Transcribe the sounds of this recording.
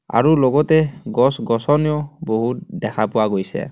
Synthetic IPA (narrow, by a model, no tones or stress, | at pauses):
a̰ɹulɔɡɔtɛɡɔsɡɔsɔnijɔboɦut̚dɛkʰapʊwaɡojsɛ̰